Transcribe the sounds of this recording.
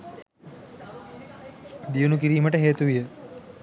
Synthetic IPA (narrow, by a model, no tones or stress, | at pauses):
d̪ijunuk̬iɾiːməʈəɦeːt̪uʋijə